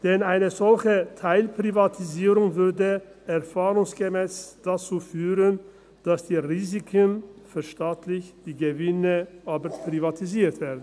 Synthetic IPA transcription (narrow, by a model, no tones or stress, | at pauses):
d̥ɛnaɪnəzɔlçətʰaɪlpʁ̥ivatʰiziːʁʊŋvʏɐdəʔɛɐfaːʁʊŋsɡ̥əmɛːsd̥at͡suːfyːʁən | d̥asd̥iːʁiːzɪkʰənfyɐʃtaːtʰlɪçd̥iːɡəvɪnəʔaːbəɾpʁ̥ivatʰiziːɐtv̥eːɐdn̩